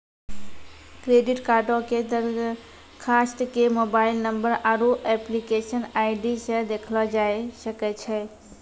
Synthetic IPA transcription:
kɾeɖiʈkaɾɖoked̪əɾ | kʰasʈkemobaɪlnəmbəɾaɾuʔɛplikeʃənaɪɖisə̃d̪ekʰlɔd͡ʒaesəkɛt͡ʃʰɛ

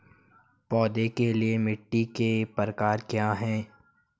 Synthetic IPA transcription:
pɔːd̪ekeliemɪʈːikepəɾəkaːɾkjaːɦɛ̃ː

